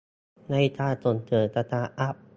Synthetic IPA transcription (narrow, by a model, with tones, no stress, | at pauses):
na˥˨jt̪ʰaː˥˩to˨˩˦nt̪ʰɯː˨˩˦t̪a˧t̪ʰaː˧˩ʔa˦˥˩p̚